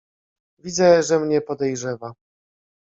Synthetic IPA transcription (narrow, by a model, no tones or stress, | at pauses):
vʲid̪zɛʐɛmɲɛpɔd̪ɛjʐɛva